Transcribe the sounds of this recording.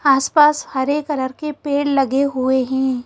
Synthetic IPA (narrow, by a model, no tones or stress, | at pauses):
aːspaːshɐɾekəɾəɾkepeːɽlɐɡeɦueɦɛ̃ː